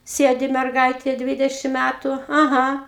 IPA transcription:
ˈsʲeːdʲɪ mʲɛrˈɡɐɪtʲeː ˈdʲʋʲɪdʲɛʃʲɪm ˈmʲætʊ ɐˈɣɐ

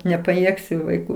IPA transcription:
nʲɛpɐˈjeːksʲʊ ʋɐɪˈkuː

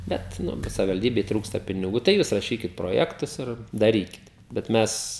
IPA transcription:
ˈbʲɛt ˈnʊ kɐɪ sɐʋʲɪʋɐlʲˈdʲiːbʲɛɪ ˈtruːkstɐ pʲɪnʲɪˈɡuː tɐɪ ˈjuːs rɐˈʃʲiːkʲɪt proːˈjæːktʊs ɪr dɐˈrʲiːkʲɪt bʲɛt ˈmʲɛs

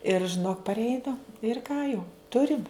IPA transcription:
ɪr ʒʲɪˈnoːk pɐrʲˈɛɪnɐ ɪr ˈkɑː jɛʊ ˈtʊrʲɪm

